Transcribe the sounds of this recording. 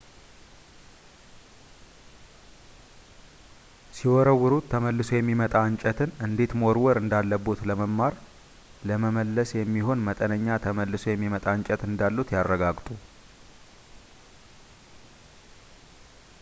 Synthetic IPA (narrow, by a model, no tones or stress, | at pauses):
siwɔɾəwːɨɾut̪ʰːəməlːɨso̞jɛmːimət̪ʼaɨɲt͡ʃʼət̪ʰɨnɨnd̪e̞t̪moɾwɔɾɨnd̪alːəbot̪ləməmmːaɾ | ləməməlːəsjɛmːiho̞nmət̪ʼənəɲːat̪ʰəməlːɨso̞jɛmːimət̪ʼaɲt͡ʃʼɛt̪ɨnd̪alːut̪jarːəɡaɡt̪ʼu